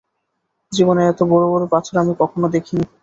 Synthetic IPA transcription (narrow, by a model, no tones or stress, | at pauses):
d͡ʑiboneɛt̪obɔɾobɔɾopat͡ɕʰoɾamikɔkʰonod̪ekʰini